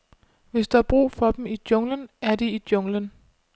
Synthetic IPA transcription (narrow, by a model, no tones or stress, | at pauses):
ʋe̝sd̥ɑɑb̥ʁṵːfɒ̽d̥emid̥jɔ̽ŋlənæɐd̥iid̥jɔ̽ŋlən